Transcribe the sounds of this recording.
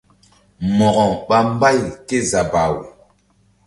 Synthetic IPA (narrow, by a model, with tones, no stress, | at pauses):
mɔ˨ɣɔ̃˨ɓa˦m˦ba˦˨jke˦za˨ba˨we˨